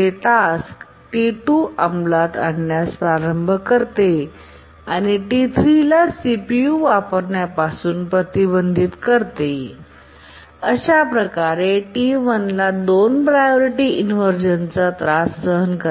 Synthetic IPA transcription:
eʈask | ʈiʈuamlat̪a̰ɳːjaspaɾəmbʱəkəɾt̪e | aniʈit̪ʰɾilasipijuʋapəɾɳjapasuːnpɾət̪ibənd̪ʱit̪kəɾt̪e | əɕapɾəkaɾeʈimənlad̪onpɾajoɾiʈiinməɾd͡ʑənt͡sat̪ɾasːəɦənkə

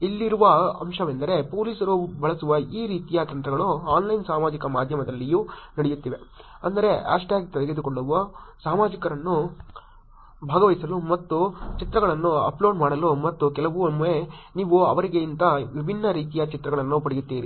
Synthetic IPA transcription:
ilːiɾuʋɐɐmʃɐʋend̪ɐɾe̞po̞ːliːsɐɾubʱɐɭɐsuʋɐiːɾiːt̪ijat̪ɐnt̪ɾɐɡɐɭuaːnlɐjnsaːmaːd͡ʒikɐmaːd̪ʱjɐmɐd̪ɐlːijuːnɐɽejut̪ːiːʋe̞ | ɐnd̪ɐɾe̞ɐ̰ʂʈjaːɡit̪ɐd̪ɛɡed̪ukoɭːuʋɐsaːmaːd͡ʒikɐɾɐnːu | bʱaːɡɐʋɐjsɐlumɐt̪ːut͡ʃit̪ɾɐɡɐɭɐnːuɐ̰ploːɖmaːɽɐlumɐt̪ːukɛlɐʋuɐmːueniːʋuɐʋɐɾiɡe̞int̪ɐʋibʱinːɐɾiːt̪ijɐt͡ʃit̪ɾɐɡɐɭɐnːupɐɽijut̪ːiːɾḭ

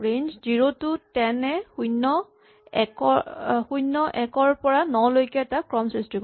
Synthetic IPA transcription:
ɹend͡ʒziɹotʊtɛnɛxujnːɔ | ɛkɔxujnːɔʔɛkɔɹpɔɹanɔlojkɛːtakɹɔmsɹistɹik

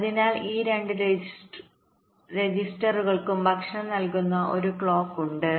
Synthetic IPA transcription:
ɐðinaːliːɾe̞ɳɖɨɾe | ɾed͡ʑisʈɐruɣɐɭkumbʱɐkʂɐmnɐlkunːɐʔo̞̰ɾukɭo̞ːkːuɳɖɨ

